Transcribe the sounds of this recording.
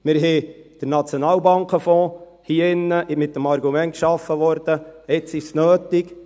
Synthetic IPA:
mɪɾɦɛd̥əɾnɑt͡sjonɑːlbɑŋkʰəfɔ̃ː | hiːɪnːəʔɪmɪt̚dəmɑɾɡumɛnt̚kʃɑfːəʋɔɾd̥̪əɛt͡sɪʃnøːt̪ɪk

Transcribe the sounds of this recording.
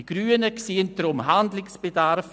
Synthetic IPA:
iɡ̥ɾyːənəksiːndɾʊmɦandlɪksb̥edaɾf

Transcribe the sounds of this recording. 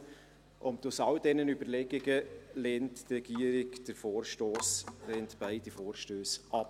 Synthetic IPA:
ʔʊntʊsɑldɛnənybəɾlɛɡɪɡəlɛːntːrɛɡ̥iəɾɪɡd̥əɾfoːɾʃtoːsleːntb̥aɪdifoːɾʃtøːsʔɑp

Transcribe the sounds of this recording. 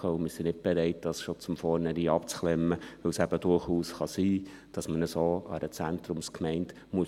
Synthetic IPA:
əʊmɪɾsinɪt̚b̥ɛɾɛɪt̚d̥ɑsʃot͡sʊmfɔːɾnəɾiːɑpt͡sχlɛmːəʋɵwsæb̥əd̥ʊɾχuːsχɑsiː | d̥ɑsmənəsoːɑ̰dət͡sæntɾʊmskmɛɪnt | muə

